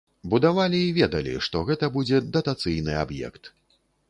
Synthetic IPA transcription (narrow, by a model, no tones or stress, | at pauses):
bud̪avalʲiːvʲɛd̪ɐlʲḭʂt̪ɔɣɛt̪ɐbud͡zʲɛd̪ɐt̪at̪sɨjnɨ̰a̰bjɛ̰kt̪